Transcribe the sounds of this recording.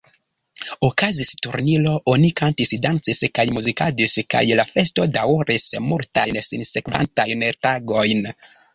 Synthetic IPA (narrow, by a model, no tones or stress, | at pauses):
okazistuɾnilo̞onikantisdant͡siskajmuzikad͡ʒiska̰jlafe̞sto̞dawoɾismultajnsinse̞kva̰ntajntaɡo̞jn